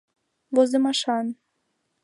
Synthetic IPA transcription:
vozemɑʃɑn

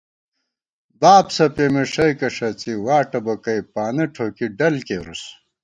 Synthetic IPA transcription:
baːbsɐpemeʂɐjkɐʂɐt͡siwaːʈɐbɐkɐjpaːnɐʈʰoːkiɖɐlkeɾṵs

